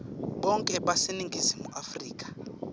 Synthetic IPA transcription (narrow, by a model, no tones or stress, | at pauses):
ɓɔŋkʼɛɓasiniŋɡʱisimuʔafriːk̬ʼḁ